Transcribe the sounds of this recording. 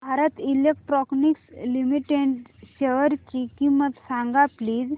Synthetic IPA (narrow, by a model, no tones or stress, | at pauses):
bʱaɾət̪ilek̚ʈɾɔknikslimiʈeɳʈɕeʋəɾt͡ɕikimət̪sãŋɡapliːd͡z